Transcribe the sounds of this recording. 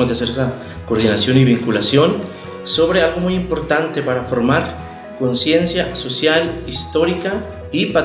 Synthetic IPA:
ozðease̞ɾesa | koɾðinasjo̞niβiŋkulasjo̞n | so̞β̞ɾe̞alɣo̞mujimpo̞ɾt̪ant̪e̞paɾafo̞ɾmaɾ | ko̞nsje̞nsjaso̞sjalist̪o̞ɾika | ipa

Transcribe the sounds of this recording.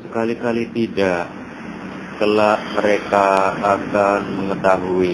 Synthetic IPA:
səkalikalit̪idaʔ | kəlaʔməɾekaːkanməŋət̪aɦui

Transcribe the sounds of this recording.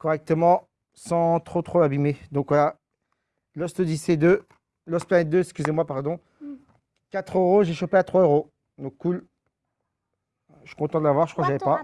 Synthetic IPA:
kɔʁɛk̚t̪əmɑ̃ | sɑ̃t̪χot̪χoabimed̪ɔ̃kvwala | lɔst̪əd̪ised̪ø | lɔsplanɛt̪̚d̪øɛskʲyzemwapaʁd̪ɔ̃ | kat̪χøʁoʒeʃopeat̪χwaøʁo | d̪ɔ̃kːul | ʃy̥kɔ̃t̪ɑ̃d̪əlavwaʁʒəkwakʒavɛpa

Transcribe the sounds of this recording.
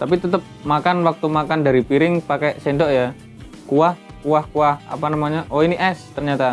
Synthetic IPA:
t̪apit̪ət̪əp̚makanwak̚t̪umakandaɾipiɾɪŋpakɛsendɔʔja | kuahkuahkuaha̰panamaɲaʔoiniʔɛst̪ərɲat̪a

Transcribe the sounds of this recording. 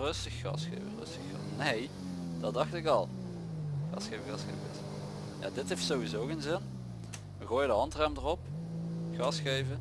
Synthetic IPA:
rɵstəxːɑ̰sxḛjvə̰rɵ̰stəxɑ̰nej | d̥ɑdɑxtɪkɑlˠ | xɑ̰sejvəɣɑsxḛjvɪ̰s | ja̰ːdɪtɦejftsowizoːkənzɪn | ʋəɣoːjədəɦɑntrɛmdərɔp̚ɣɑsxejvə

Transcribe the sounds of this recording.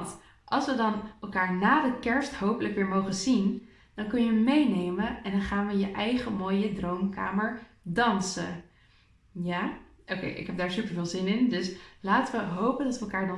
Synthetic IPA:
nt | ʔɑlˠsʋədɑnʔɛlˠkaːɹnaːdəkɛɹstɦowpələkʋɪːɹmowχənzin | d̥ɑnkɵnjəmejnejməɛndɑnχaːnʋəjəʔɛjχəmoːjədrowmka̰ːməɹ | dɑnsə̰ | jaː | ʔokḛjʔɪ̰kɦɛb̚daːɹsypəɹvɪːlˠzɪnɪndɵslaːtəʋəɦowpəndɑtʋəɛlˠkaːɹdɑ

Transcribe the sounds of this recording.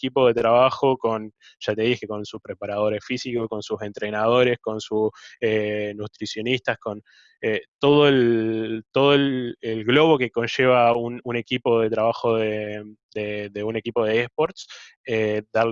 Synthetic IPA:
kipo̞ðe̞t̪ɾaβaxo̞ko̞n | ʒ̥at̪e̞ð̞ixkeko̞nsuspɾe̞paɾað̞o̞ɾe̞sfisikosko̞nsuse̞nt̪ɾe̞nað̞o̞ɾe̞sko̞nsusenut̪ɾisjo̞nist̪asko̞n | et̪o̞ð̞oelt̪o̞ð̞oelelɣlo̞βo̞ke̞ko̞nʃe̞β̞aunune̞kipo̞ðe̞t̪ɾaβaxo̞ðe | d̪eðeune̞kipo̞ð̞eespo̞ɾt̪s | ed̪a

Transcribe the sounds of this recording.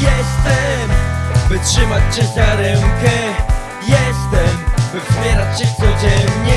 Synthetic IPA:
jɛst̪ɛmbɘtʂɘmat͡ɕɕɛaɾɛŋkɛ | jɛst̪ɛmbɘvmʲjɛɾat͡ɕɕɛt̪sɔd͡ʑɛnɲɛ

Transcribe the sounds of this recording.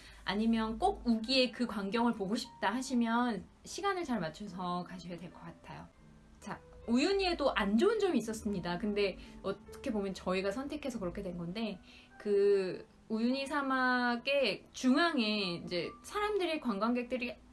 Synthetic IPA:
a̰ɲimjʌnk͈oɡ̚uɡie̞kɯkwaŋɡjʌŋɯɭpoɡoɕʰi̥p̚t͈ahaɕʰimjʌn | ɕʰiɡanɯɭt͡ɕaɭmat͡ɕʰosʰʌkaɕʰijadwe̞ɭk͈ʌk͈atʰajo̰ | t͡ɕa | ujuɲie̞doʔand͡ʑoɯnd͡ʑʌmiːs͈ʌs͈ɯmɲidakɯnde̞ʌtʌ̥kʰe̞bomjʌnt͡ɕʌiɡasʰʌntʰe̞kʰe̞sʰʌkɯɾʌkʰe̞dwe̞nɡʌnde̞ | kɯ | ujuɲisʰamaɡe̞t͡ɕuŋaŋeid͡ʑe̞sʰaɾamdɯɾikwaŋɡwaŋɡe̞k̚t͈ɯɾi

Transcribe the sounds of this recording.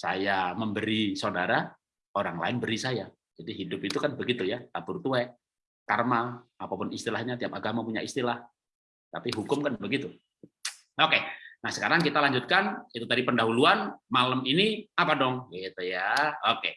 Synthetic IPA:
sa̰jaməmbəɾisaudaɾa | oɾaŋla̰ɪnbəɾisaja | d͡ʒadiɦidʊpit̪ukanbəɡit̪ujat̪apʊrt̪uɛ | karmaapapʊnist̪ilahɲat̪iapaɡamapuɲa̰ist̪ilah | t̪apiɦukʊmkanbəɡit̪u | okenahsə̥kaɾaŋkit̪alaɲd͡ʒʊt̪̚kanit̪ut̪adipəndaɦuluanmaləminiapadɔŋet̪ujaoke

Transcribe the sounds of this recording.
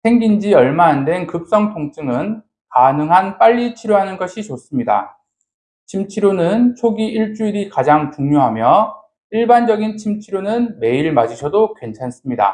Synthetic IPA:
sʰe̞ŋɡind͡ʑiʌɭmaːndwenkɯp̚s͈ʌŋtʰoŋt͡ɕ͈ɯŋɯn | kanɯŋɦanp͈aʎːit͡ɕʰiɾjoɦanɯnɡʌɕʰit͡ɕos͈ɯmɲida̰ | t͡ɕʰimt͡ɕʰiɾjonɯnt͡ɕʰoɡiʔiɭt͡ɕ͈uiɾikad͡ʑaŋt͡ɕuŋɲoɦamjʌ | iɭband͡ʑʌɡint͡ɕʰimt͡ɕʰiɾjonɯnme̞iɭmad͡ʑiɕʰʌdokwe̞nt͡ɕʰans͈ɯmɲida̰

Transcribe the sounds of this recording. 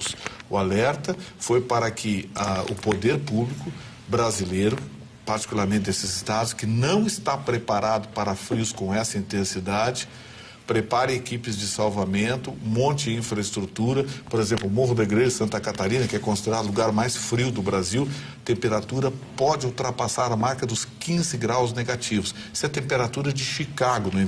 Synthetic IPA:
ʊsʊalɛɾt̪ɐfojpaɾɐkʰɪaʊ̰pod̪eɾpublikʊ | bɾazilejɾʊ | paɾt͡ʃi̥kulaɾmẽnt͡ʃ̪ɪd̪esɪzɪst̪ad̪ʊskɪnɐ̃w̃ɪst̪apɾepaɾad̪ʊpaɾɐfɾiwskõɛsɐĩnt̪ẽsid̪ad͡ʒɪ | pɾepaɾɪ̃ekipɪzd͡ʒɪsawvamẽnt̪ʊmõnt͡ʃɪĩfɾɐɪst̪ɾut̪uɾɐpoɾezẽmplʊmoɦʊd̪ɐɡɾeʒɐsɐ̃nt̪ɐkat̪aɾĩnɐkɪɛkõsid̪eɾad̪ʊluɡaɾmajsfɾiwd̪ʊbɾaziw | t̪ẽmpeɾat̪uɾɐpɔd͡ʒɪuwt̪ɾapasaɾɐmaɾkɐd̪ʊskĩzɪɡɾawzneɡat͡ʃivʊs | i̥sɛt̪ẽmpeɾat̪uɾɐd͡ʒɪʃikaɡʊnʊĩ

